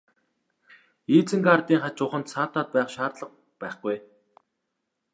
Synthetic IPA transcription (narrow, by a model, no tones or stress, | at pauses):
iːt͡sɘ̆ŋɡart̪iːŋχat͡ɕʊχə̆nt̪saːt̪ʰaːt̪̚pæːχʃaːrt̪ɮə̆q̚ | pæːχɡuj